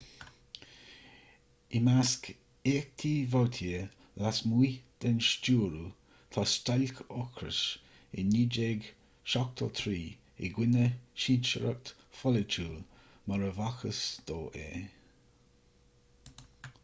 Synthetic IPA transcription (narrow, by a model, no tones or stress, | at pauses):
ɪmask | eːk̚t̪ʰiːvawt̪ʰiə | lasmujd̪̥ɛnʃt͡ʃuːɾu | t̪ʰɔst̪alkʰɔkʰɾə̰ʃ | ɪnːiːd͡ʒeːɡ | ʃɔk̚t̪ʰə̰t̪ʰɾiː | ɪ̰ɡwɪnəʃint͡ʃəɾə̰k̚t̪ | fɔlət͡ʃuːl | məɾəvaxəsd̪̥oːʔḛː